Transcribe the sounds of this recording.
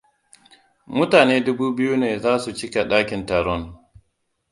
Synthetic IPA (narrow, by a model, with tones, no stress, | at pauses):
mʊ˦taː˨neː˦dʊ˦buː˦bɪ˦ju˦neː˨zaː˦su˨t͡ʃɪ˦ka˨ɗaː˦kʲɪ˨nta˨ɾɔ˦n